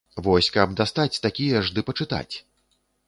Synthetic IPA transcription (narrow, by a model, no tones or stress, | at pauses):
vɔsʲkɐb̚d̪ast̪at͡sʲt̪akʲijɐʐd̪ɨpɐt͡ʂɨt̪a̰t͡sʲ